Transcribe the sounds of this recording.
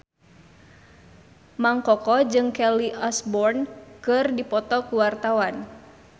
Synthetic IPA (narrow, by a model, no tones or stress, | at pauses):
maŋkɔkɔd͡ʒɨŋkɛliʔasbɔrnkɨrdipɔt̪ɔkuwart̪awan